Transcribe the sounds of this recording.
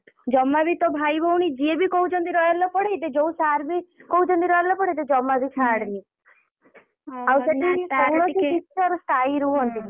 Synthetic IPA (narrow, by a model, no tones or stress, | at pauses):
d͡ʒɔmːabit̪ɔbʱajbɔwɽ̃id͡ʒiebikoud͡ʒɔnd̪iɾɔjalɔpɔɽeit̪ed͡ʒousaɾbikoũd͡ʒɔnd̪iɾɔjalɔpɔɽeit̪ed͡ʒɔmːabit͡ʃʰaɽni | awseʈʰakikɔwɽ̃ɔssitt͡ʃɔɾɔst̪ʰaiɾuɔɦɔnt̪i